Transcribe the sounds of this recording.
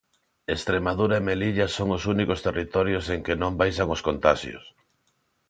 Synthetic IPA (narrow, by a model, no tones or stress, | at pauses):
est̪ɾemaðuɾaemeliʎasoŋʊsunikost̪erit̪ɔɾjoseŋkɪnõmbajs̬aŋoskont̪aʃj̰o̰s